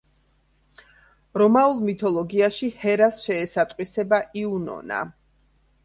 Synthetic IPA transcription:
ɾɔmaulˠmit̪ʰɔlˠɔɡiaʃihɛɾasʃɛːsat̪ʼqʼwisɛbaʔiunɔ̰na̰

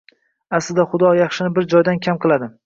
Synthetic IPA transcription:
aslɪd̪aχʊd̪ɒjɑχʃɪnɪbɪɾd͡ʒɒjd̪ankʲʰamqʰɨlˠad̪ɪ

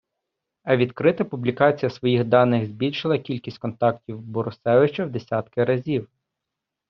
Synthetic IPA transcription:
ɐʋʲid̪kɾɪt̪ɐpublʲikɑt͡sʲijɐsʋɔjixd̪ɑnːɪɣzʲbʲilʲʃɪlˠɐkʲilʲkʲisʲtʲkɔnt̪ɑktʲiwbɔɾʊsɛʋɪt͡ʃɐwd̪e̞sʲɑt̪kɪɾɐzʲiw

